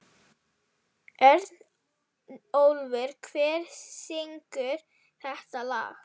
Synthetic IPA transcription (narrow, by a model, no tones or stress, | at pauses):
ɛɾt̪n | owlvɪɾ̥kʰvɛːɾ̥sɪŋkʏɾ̥ | θɛht̪ala̰ːx